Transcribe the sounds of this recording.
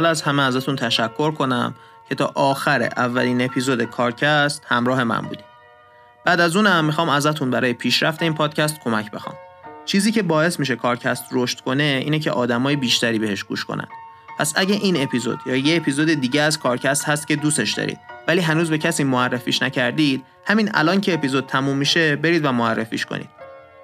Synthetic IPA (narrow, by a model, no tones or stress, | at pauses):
ɒlɒæzhæmeæzæt̪ʰunt̪ʰæʃækʰːo̞ɾkʰo̞næ̰m | cʰe̞t̪ʰɒːʔɒːxæɾḛʔævːæliːne̞pʰiːzod̪ekʰɒːɾcʰæst̪hæmɾɒːhe̞mæ̰nbṵːd̪i | b̥æːd̪æzuːnæmːixɒːmæzæt̪ʰunbæɾɒːje̞pʰiːʃɾæft̪e̞iːnpʰɒːd̪̥̚cʰæst̪̚kʰo̞mæcʰbe̞xɒ̰ːmt͡ʃʰiːziːcʰe̞bɒːe̞smiːʃ̬e̞kʰɒːɾcʰæst̪ɾoʃt̪kʰo̞ne̞iːnecʰeʔɒːd̪æmɒːjebiːʃt̪ʰæɾiːbe̞he̞ʃɡ̥ṵːʃkʰo̰næ̰nd̪̥ | pʰæsæɟeʔiːne̞pʰiːzo̰d̪̥jɒːjeːpʰiːzod̪ed̪iːɟeæzkʰɒːɾcʰæst̪hæst̪̚cʲe̞d̪uːse̞ʃd̪ɒ̰ːɾḭːd̪̥væliːɦænuːzbe̞cʰæsiːmoærːefḭːʃnæcʰæɾd̪iːd̪̥ | hæmiːnæ̰lɒːncʰe̞ːpizod̪̥̚t̪ʰæmuːmːiʃe̞be̞ɾiːd̪væmoærːefḭːʃkʰo̰nḭːd̪̥